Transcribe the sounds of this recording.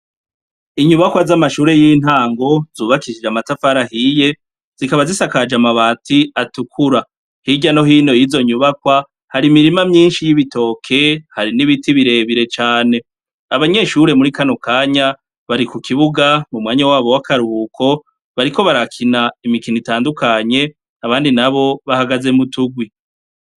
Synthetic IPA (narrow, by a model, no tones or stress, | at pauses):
iɲuβakwazamaʃuːɾe̞jiːn̥haːŋɡo̞z̥uːβakiʃid͡ʒamatafaɾahije̞ | z̥ikaβazisakad͡ʒamaβaːtʰiatukʰuɾa | hiɟano̞ɦiːno̞jizo̞ɲuβakwa | haɾimiɾimamɲiːnʃijiβito̞ːkʰe̞haɾiniβitiβiɾe̞ːβiɾe̞t͡ʃaːne̞ | aβaɲe̞ʃuɾe̞muɾikano̞kaːɲa | βaɾikukʰiβuɡamumŋaːɲawaːβo̞wakʰaɾuβukʰo̞ | βaɾiko̞βaɾakʰinaimikinitaːndukaɲe̞ | aβaːndinaβo̞βahaɡaze̞mutuɡwi